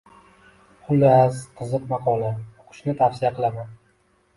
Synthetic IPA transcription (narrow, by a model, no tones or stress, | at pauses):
qʰʊlːɪazqʰɨzɨqmɑqʰɒlaoqʰʊ̥ʃnɪt̪ʰafsɪjaqʰɨlˠaman